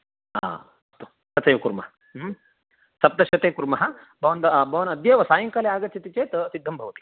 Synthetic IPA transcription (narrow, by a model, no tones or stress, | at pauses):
a̰ | ɐst̪u | kɐt͡sɐjʋɐkuɾmɐɦɐ | sɐp̚d̪ɐʃɐt̪eːkuɾmɐɦɐ | bʱɐʋɐnd̪ɐbʱɐʋɐnɐd̪jɐːʋɐsaːjɐŋkɐleaːɡɐt͡ʃʰit̪it͡ʃeːt̪ɐsid̪ʱːɐmbʱɐʋɐt̪i̥